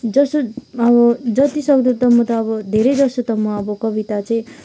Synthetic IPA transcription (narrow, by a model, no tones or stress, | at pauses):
d͡zʌsoʌbʌd͡zʌt̪isʌkd̪ut̪ʌmʌt̪ʌːbʌd̪ʱeɾejd͡zʌsut̪ʌmʌʌbʌkʌbit̪at͡sʌĩ